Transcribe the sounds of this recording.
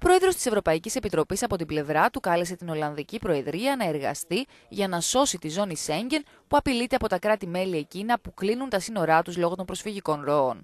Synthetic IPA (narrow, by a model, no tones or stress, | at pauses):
opɾo̞e̞ðɾo̞st̪i̥se̞vɾo̞pɐicise̞pit̪ɾo̞pisɐpo̞t̪̬ible̞vɾɐt̪ukɐle̞s̬e̞t̪ino̞lɐnðicipɾo̞e̞ðɾiɐnɐe̞ɾɣɐ̰st̪i | ʝɐnɐso̞sit̪izo̞nise̞ɲɟe̞n | puɐpilit̪e̞ɐpo̞t̪ɐkɾɐt̪ime̞lie̞cinɐpuklinunt̪ɐsino̞ɾɐt̪uzlo̞ɣo̞t̪o̞mbɾo̞sfiʝiko̞nɾo̞on